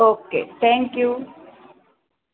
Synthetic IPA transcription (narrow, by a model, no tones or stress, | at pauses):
okːḛt̪ɛ̃ŋkju